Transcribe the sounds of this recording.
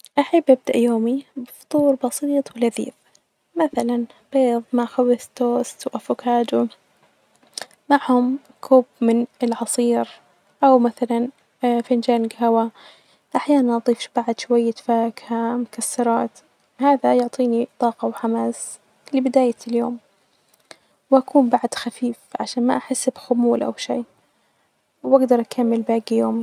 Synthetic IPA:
ʔaħabːʔab̚d̪aʔjoːmibɨft̪ˤuːɾbɑsˤiːt̪ˤwɪlaðḭːf | maθalanb̥eːðˤmaxawɪθt̪ːoːst̪wʔafʊkʰaːd̪u | maʕhʊm | kʰuːbmɪnɪlʕɑsˤiːɾ | ʔawmaθalan | fɪnd͡ʒaːnɡɦawa | ʔaħjaːnanʔɑt̪ˤiːfʃb̥aʕd̪ʃʊwajːat̪faːkhamʊkasːɑɾˤɑːt̪ | haːðajʊʕt̪ˤiːnit̪ˤɑːqɑwħamaːs | lɪbɪd̪aːjaljoːm | wʔakʰuːmbaʕd̪xafiːfʕaʃaːnma̰ʔaħɪsːbxʊmuːlʔa̰wʃiː | wʔaɡd̪ɑɾˤʔakʰamːɪlbaːɡijoːm

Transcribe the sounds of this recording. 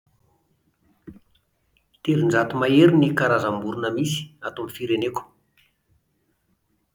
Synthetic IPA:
t̪eɾind͡zat̪umaeɾinikaɾazambuɾunəmisi̥at̪oamifiɾeneku̥

